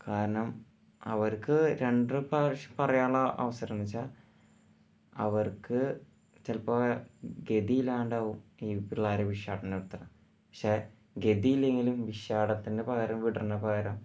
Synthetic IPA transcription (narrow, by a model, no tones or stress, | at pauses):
kaːɾɐɳɐm | ɐ̰ʋɐrkɨɾe̞ɳɖrɨpɐʂɐpɐrɐjaːɭɐʔɐ̰ʋɐsɐɾɐnit͡ɕːa | ɐʋɐrkɨ | t͡ɕelpɐɡe̞ðijilaːuɳɖaːʋumiːpiɭːaːɾɐʋiʂaːɽɐneɽut̪ːɐrɐm | pɐ̥kʂeː | ɡe̞ðijile̞ŋɡilumʋiʂaːɽɐt̪ːinde̞pɐɣɐɾɐmʋiɽɐrnːɐpɐɣɐɾɐm